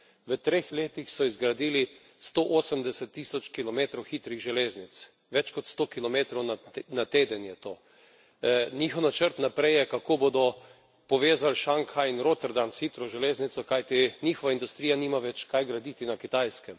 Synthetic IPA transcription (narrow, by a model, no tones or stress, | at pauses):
ʋət̪ɾexleːt̪ixsɔizɡɾad̪iːli | st̪oʔoːsəmd̪ɛsɛt̪ːisɔt͡ʃkilɔmeːt̪ɾɔwxit̪ɾiɣʒɛleːznit̪s | ʋɛt͡ʃkɔt̪st̪oːkilɔmeːt̪ɾɔwnat̪eːd̪ənjɛt̪oː | niːxɔwnat͡ʃəɾt̪napɾɛjjɛkakoːbod̪ɔ | pɔʋeːzalʃaŋkainɾot̪ɛɾd̪ansxit̪ɾɔʒɛleːznit̪sɔkajt̪inʲixɔʋaind̪ust̪ɾijaniːmaʋɛt͡ʃkajɡɾad̪it̪inakit̪ajskɛm